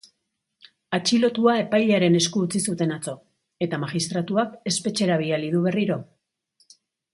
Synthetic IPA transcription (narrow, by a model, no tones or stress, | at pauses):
at͡ʃilo̞t̪uae̞pajʎeaɾe̞ne̞skuːt͡sisut̪e̞nat͡so̞ | e̞t̪amaɣist̪ɾat̪uake̞spe̞t͡ʃe̞ɾaβ̞ialiðuβ̞e̞riɾo̞